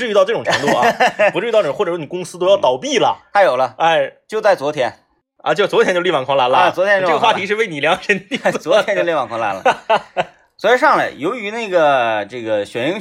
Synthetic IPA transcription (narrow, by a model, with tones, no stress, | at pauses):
ɻ̩˧˥y˥˧t̪ɑ˥˧ʈ͡ʂɤ˥˩ʈ͡ʂʊ˨˩ŋʈ͡ʂʰə˧˥ŋt̪u˥˩a˩u˧˥ʈ͡ʂɻ̩˥˧˥t̪ɑ˥˧˩wɔ˥˩ʈ͡ʂə˨˩ʂwɔ˥i˨˩kʊ˥ŋsɹ̩˥t̪o˥ʊjɑ˥˩t̪ɑ˨˩ʊpi˥˩lə̰˩t̪ʰa˥jo˨˩ʊlə˦a˥˩ɪt͡ɕjo˥˧ʊt͡sa˥˩ɪt͡swɔ˧˥t̪ʰjɛ˧˥n | ɐ̰˧˩t͡ɕo˥˧˩t͡swɔ˧˥tʰjɛ˥t͡ɕo˥˧li˥˩ɑ˨˩ŋkʰwɑ˧˥ŋla˧˥nlə˧˩t͡swɔ˧˥t̪ʰjʈ͡ʂɤ˥ɡə˧xwa˥˧˩i˧˥ʂɻ̩˥˧we˥˩ɪni˨˩ljɑ˧˥ŋʈ͡ʂʰə˧˥n˥t͡swɔ˧˥tʰjɛ˧˥nt͡ɕjo˥˧li˥˩wɑ˨˩ŋkʰɑ˧˥ŋla̰˧˥nlə̰˧ | swɔ˧˥ɻi˧˥ʂɑ˥˩ŋlə˨˩jo˧˥ʊy˧˥na˥˩ɪɡə˩ʈ͡ʂɤ˥˩ɡə˩ɕɥɛ˨˩n˥